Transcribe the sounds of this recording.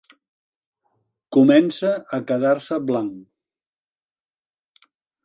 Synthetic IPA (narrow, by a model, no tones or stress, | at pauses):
kumɛnsəəkəðaɾsəβlaŋ